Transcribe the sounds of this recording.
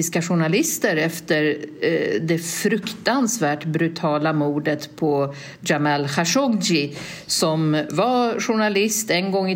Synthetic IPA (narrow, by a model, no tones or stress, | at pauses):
ɪskaɧʊɳalɪst̪əɾɛft̪əɾ | d̪ɛfɾɵkt̪ansvæːʈbɾʉt̪ʰɑːlamuːd̪ət̪pʰɔ | d͡ʒamɛlxaʂɔɡd͡ʒɪ | sɔmvaɧʊɳalɪst̪ɛnɡɔŋːɪ